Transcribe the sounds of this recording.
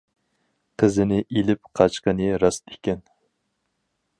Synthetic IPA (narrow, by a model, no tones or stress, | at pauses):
qʰəzɪnɪʔelɪp̚qʰɑt͡ʃqənɨɾɑsekʲɛn